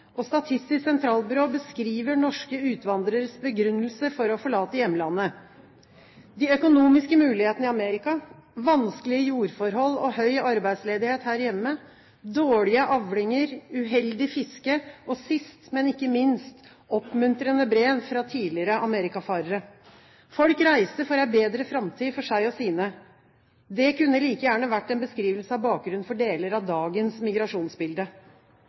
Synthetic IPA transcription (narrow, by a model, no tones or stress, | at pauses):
ʔɔst̪ɑt̪ʰɪst̪ɪssɛnt̪ʰɾɑːlbʏɾoːbəskɾiːʋəɳɔʂkəʉːt̪ʋɑnd̪ɾəɾsbəɡɾʉnːəlsəfɔɾɔfɔɭɑːt̪əjɛmːəlɑnːə | d̪ɪːœkʊnuːmɪskəmʉːlɪheːt̪ənəɪɑmeːɾɪkɑ | ʋɑnskəlɪəjuːɾfɔɾhɔlːɔhœʏɑɾbæɪd̪sleːd̪ɪheːt̪hæːɾjɛmːə | d̪oːɭɪəʔɑʋɽɪŋəɾʉɦɛld̪ɪfɪskəʔɔsɪst̪mɛnɪkːəmɪnst̪ | ɔpːmʉnt̪ɾənəbɾeːʋfɾɑt̪ʰiːlɪɾəʔɑmeːɾɪkɑfɑːɾəɾə | fɔlkɾæɪsəfɔɾæɪbeːd̪ɾəfɾɑmt̪ʰiːfɔʂæɪɔsiːnə | d̪ɛkʉnːəliːkəjæːɳəʋæʈːɛnbəskɾiːʋəlsəɑʋbɑːk̚ɡɾʉnfɔɖeːləɾɑʋd̪ɑːɡənsmɪɡɾɑʂuːnsbɪld̪ə